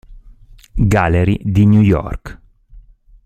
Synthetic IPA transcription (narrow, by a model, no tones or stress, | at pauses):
ɡaleɾid̪injujɔ̰rk